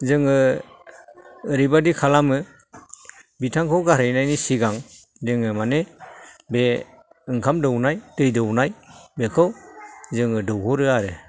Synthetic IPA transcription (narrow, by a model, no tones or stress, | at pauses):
zɯŋɯ | ɾibadikʰalamɯ | bitʰaŋkʰɯwɡaɾɯjnajnisiɡaŋ | dɯŋɯmanebe | ɯŋkʰamdɯwnajdɯjdɯwnajbekʰɯwzɯŋɯdɯwkʰɔɾɯaɾɯ